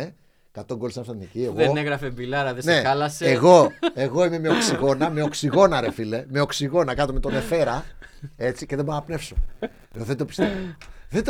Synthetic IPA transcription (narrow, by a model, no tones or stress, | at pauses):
e | kɐt̪oŋɡolisɐnɐfsɐnnicieɣoeeɣɾɐfembilɐɾɐðeneɐlɐseeɣo̞e̞ɣo̞ime̞meo̞ksiɣo̞nɐme̞o̞ksiɣo̞nɐɾe̞file̞me̞o̞ksiɣo̞nɐkɐt̪ome̞t̪o̞ne̞fe̞ɾɐe̞t͡sice̞ðeboɾnɐpne̞fso | ðed̪opi̥st̪evoðed̪